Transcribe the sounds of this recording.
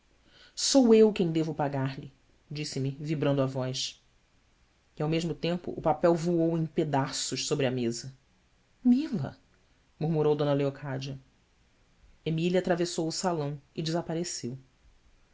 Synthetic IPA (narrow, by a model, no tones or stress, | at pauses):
sowewkẽj̃d̪evʊpaɡaɾlɪ | d͡ʒisɪmɪvibɾɐ̃nd̪ʊavɔjʃ | ɪawmeʒmʊt̪ẽmpʊ̰ʔːpapɛwvuowẽj̃ped̪asʊʃsobɾɪɐmezɐ | milɐ̰ | muɾmuɾowd̪õnɐleokʰad͡ʒɐ | emiliɐat̪ɾavesowʊsalɐ̃w̃ɪd͡ʒɪzapaɾesew